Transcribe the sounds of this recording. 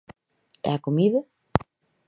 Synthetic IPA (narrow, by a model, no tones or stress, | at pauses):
ɛ̰akomiða